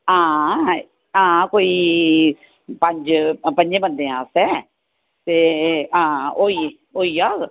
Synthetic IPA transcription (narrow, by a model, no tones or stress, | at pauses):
ãː | ãːkoːiː | pə̃ɲd͡ʒpə̃ɲd͡ʒẽbənd̪ẽːãːsɛ | t̪eːãːoi | oːiːaːɡ